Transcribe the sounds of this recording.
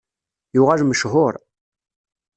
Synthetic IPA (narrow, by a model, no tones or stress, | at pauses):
jʊʁalməʃɦʊɾˤ